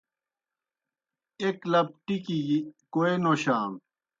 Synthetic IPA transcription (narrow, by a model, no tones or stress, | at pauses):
eklɐp̚ʈikiɡikoenoɕaːm